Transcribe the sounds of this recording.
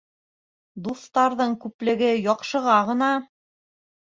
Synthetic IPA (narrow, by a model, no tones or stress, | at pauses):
d̪uθt̪ɑɾðɤɴkʉplɘ̆ɡɘjɒqʃɤ̆ʁɑʁɤ̆nɑ